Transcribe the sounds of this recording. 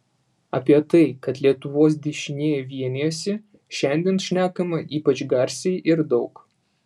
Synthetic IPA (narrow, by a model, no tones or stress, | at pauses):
ɐ̰pʲiɛt̪ɐɪkɐt̪lʲiɛt̪ʊʋoːs̬d̪ʲɪʃʲɪnʲeːjɛʋʲiɛnʲesʲɪ | ʃʲɛnʲd̪ʲiɛnʃʲnʲæːkɐmɐʔiːpɐt͡ʃɡɐɾʲsʲɛɪʔɪɾd̪ɒʊk